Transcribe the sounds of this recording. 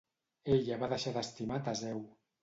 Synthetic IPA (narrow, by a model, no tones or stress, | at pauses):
eʎaβaðəʃaðəst̪imat̪azɛw